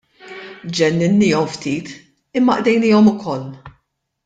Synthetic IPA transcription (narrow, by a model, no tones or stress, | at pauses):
d͡ʒɛnːɪnːiːɔmft̪iːt̪ | ɪmːɐʔd̪ɛjniːɔmʊkɔlː